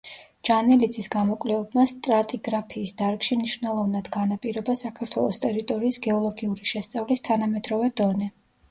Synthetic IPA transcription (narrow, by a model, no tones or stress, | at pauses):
d͡ʒ̥anɛlid̪sʰisɡamɔkʼlɛvɛbmast̪ʼɾat̪ʼiɡɾapʰiːsd̪aɾkʃimniʃwvnɛlˠɔvnad̪ɡanapʼiɾɔbasakʰaɾt̪ʰwɛ̰lˠɔst̪ʼɛɾit̪ʼɔɾiːsɡɛɔlˠɔɡiuɾiʃɛst̪sʼavlist̪ʰanamɛd̪ɾɔvɛd̪̥ɔnɛ